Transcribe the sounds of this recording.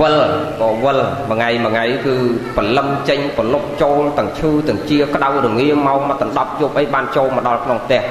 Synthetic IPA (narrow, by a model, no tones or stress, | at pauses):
ʋəlɓɔːʋəlməŋajməŋajkɨːpələmt͡ɕəɲpəlop̚t͡ɕoːlt̪ɨ̆əŋt͡ɕʰɨːt̪ɨ̆əŋt͡ɕiəkə̆ɗawruŋːiəmaɔkmət̪ːəɗɑp̚juːp̚ʔəjɓaːnt͡ɕoːlməɗɑlkʰnoŋp̚ʰt̪ɛ̆əh